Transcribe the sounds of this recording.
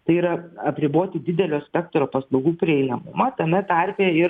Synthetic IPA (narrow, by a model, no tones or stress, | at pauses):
t̪ɐɪiːɾɐɐpʲɾʲɪboːt̪ʲɪd̪ʲɪd̪ʲɛlʲoːsʲpʲɛkt̪ɾoːpɐslˠɐʊɡuːpʲɾʲɪɛɪnɐmʊmɐt̪ɐmʲɛt̪ɐɾʲpʲeːɪ